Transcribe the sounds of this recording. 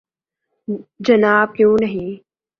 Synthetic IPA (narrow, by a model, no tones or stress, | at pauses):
d͡ʒɐnaːb̚kjũːnɐɦĩ